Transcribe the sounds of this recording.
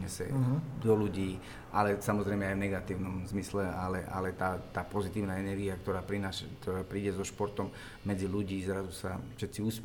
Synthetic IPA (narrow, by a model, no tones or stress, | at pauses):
ɲɛsɛ̰d̪ɔluɟiː | ʔalɛsamɔzɾɛɪmɛajvnɛɡat̪iːʊnɔmzmislɛalɛʔa̰lɛt̪aːt̪aːpɔzit̪iːʊnaːɛnɛɾɡiakt̪ɔɾaːpɾinaːʃak̚t̪ɔɾaːpɾiːɟɛzɔʃpɔɾt̪ɔm | mɛd͡ziluɟiːzɾazusafʃɛt̪siuːsp